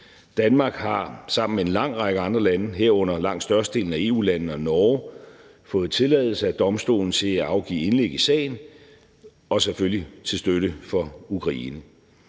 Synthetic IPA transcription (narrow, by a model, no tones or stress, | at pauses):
d̥ænmɑ̈ːɡ̥hɑ̈sɑ̈m̰n̩mee̝nlɑ̈ŋ̰ʁɑ̈ɡ̥əɑ̈nd̥ʁɐlænəɦeɐ̰ɔ̽n̰ɐlɑ̈ŋ̰d̥sd̥ɶɐstəd̥e̝̰ːln̩æe̝ːṵːlænn̩ɒ̽nɒː | fɔ̽ːð̩ˠt͡sʰe̝lɛːðˠl̩səæd̥ɒ̽msd̥o̝̰ːln̩t͡sʰe̝æɑ̈ʊɡ̥ḭːe̝nleɡ̥isɛ̰ɪn | ɒ̽seføljit͡sʰe̝lsd̥øɾəfɒ̽ukʰʁɑ̈ḭːnə